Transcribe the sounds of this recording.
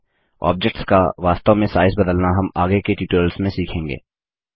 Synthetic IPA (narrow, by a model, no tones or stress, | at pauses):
ɔ̰ːb̚d͡ʒek̚ʈskaʋaːst̪amẽsaːɪzbɐd̪əlnaɦɐmaːɡekeʈiːʈoːlsmẽsiːkʰẽːŋɡḛː